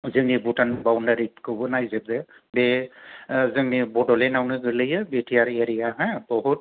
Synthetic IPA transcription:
zɯŋnibutʰanbawndaɹikɯbɯnajzɛb̚zɛ | bɛ | zɯŋnibɔdɔlɛnawnɯɡɯlɯjɛbetʰijaɹeɾijaɦɛ̃bɔɦut̚

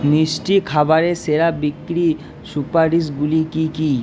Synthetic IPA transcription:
nisʈikʰabaɾeseɾabikɾi | supaɾɾisɡulikiki

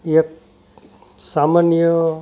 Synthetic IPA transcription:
ek̚ | samanjə

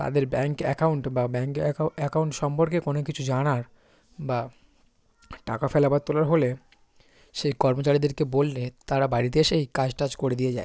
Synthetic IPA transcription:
t̪a̰d̪eɾbɛŋkɛ̰kauɳʈbabɛŋkɛkauɳʈʃɔmpoɾkekonokit͡ɕʰud͡ʑanaɾ | ba | ʈakafelabat̪ːolaɾɦole | ʃejkɔɾmot͡ɕaɾid̪eɾkebolːet̪aɾabaɾit̪eʃejkad͡ʑʈad͡ʑkoɾed̪ijed͡ʑae

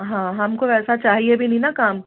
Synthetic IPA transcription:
ɦãːɦɐmkoɛːsat͡ʃaːɦiebʱinĩnakaːm

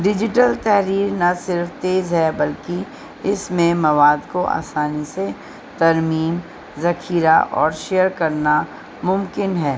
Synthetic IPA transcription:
ɖɪd͡ʒɪʈəlt̪ɛɦɾiːɾnasɪɾft̪eːzɦɛbɐlki | ɪsmẽmɐʋaːd̪koʔa̰ːsaːnise | t̪ɐɾmiːm | zɐkʰiːɾaʔɔːɾʃejəɾkɐɾna | mʊ̃mkɪnɦɛː

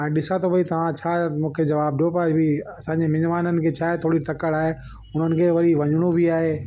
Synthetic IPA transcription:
ɛ̃ːɗɪsat̪ʰobʱɐit̪ɐʋ̤ãt͡ɕʰaːmũːkʰed͡ʑɐʋaːbɗiopɐbʱiɐsãːɲd͡ʑemɪnʋaːnənɪ̆kʰeːt͡ɕʰaːɦet̪ʰoːɽit̪ɐkəɽaːɦe | ʊn̤ənɪ̆kʰeːʋɐɾiʋɐɲɽ̃ũbʱiaːɦeː

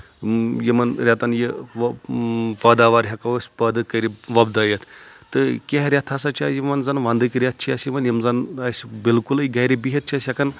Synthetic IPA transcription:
jimɐnɾʲat̪ɐnjiʋ | pɐd̪aːʋaɾɦɐkɐʋɐsʲpɐd̪ɨkɐɾʲiʋɐbd̪ɐjɐt̪ʰt̪ɨkʲeɦɾʲat̪ʰɐsɐt͡ʃʰajimɐnzɐnʋand̪ɨkʲiɾʲat̪̚ʰt͡ʃʰiɐsjimɐnjimzɐnɐsʲbilkulɐiɡɐɾibiɦɐt̪̚t͡ʃʰiɐsʲjɐkɐn

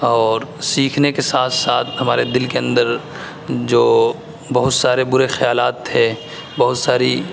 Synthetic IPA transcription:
ɔːɾsiːkʰnekesaːt̪ʰsaːt̪ʰɦɐmaːɾed̪ɪlkeɐ̃nd̪əɾ | d͡ʒoː | bɐɦʊt̪saːɾebʊɾexɐjaːlaːt̪ʰːe | bɐɦʊt̪saːɾi

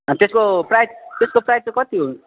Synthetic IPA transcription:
ʌt̪eskoprajt̪eskoprajt͡sãkʌt̪iɦun

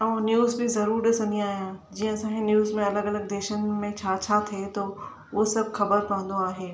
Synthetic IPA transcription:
ɐũnjuːzbizɐɾuːɾɗɪsɐ̃nd̪ĩaːɦijãd͡ʑiːə̃ɐsãːkenjuːzmẽɐləɡɐləɡ̚d̪eːʃənɪ̆mẽt͡ɕʰaːt͡ɕʰat̪ʰiet̪o | ʊosɐbʱxɐbəɾpɐɽ̤ə̃nd̪oaːɦeː

